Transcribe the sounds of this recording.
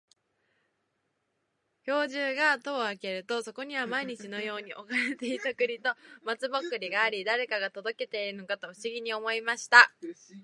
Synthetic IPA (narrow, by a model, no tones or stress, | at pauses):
ço̞ːʑɨːɡat̪o̞ːake̞ɾɯ̟t̪o̞so̞ko̞ɲ̟iβamaiɲ̟it͡ɕino̞jo̞ːɲ̟iʔo̞kaɾet̪e̞it̪akɯ̟ɾʲit̪o̞mat͡sɨbokɯ̟ɾʲiɡaːɾʲid̪aɾe̞kaɡat̪o̞d̪o̞ke̞t̪e̞iɾɯ̟no̞kat̪o̞ɸɯ̟ɕiɡʲiɲ̟io̞mo̞imaɕi̥t̪a